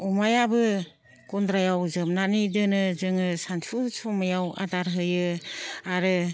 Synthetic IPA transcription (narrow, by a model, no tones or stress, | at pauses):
umajabɯ | kundɾajawzɯmnanidɯnɯzɯŋɯsansʰusʰɔmajawa̰daɾɦɯjɯaɾɯ